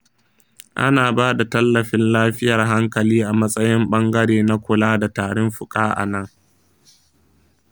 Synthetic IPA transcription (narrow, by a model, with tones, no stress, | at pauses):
ʔa̰˦naː˨baː˦da˨tɐ˦lːɐ˨ɸɪ˦nlaː˦ɸɪ˦jɐ˨rɦa˦ŋkɐ˨liː˦ʔa˨mɐ˦sʼɐ˦jɪ˦mɓɐ˦ŋɡɐ˦ɽeː˨na˦kʷʊ˨laː˦da˨taː˨ɽʊ˦mɸʊ˨kʼaː˦ʔa̰˨nɐ˦ŋ